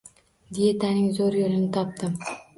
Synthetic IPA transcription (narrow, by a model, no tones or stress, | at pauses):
d̪ijet̪ʰanɪŋzoɾjoɾɪnɪt̪ʰɒp̚t̪ɪm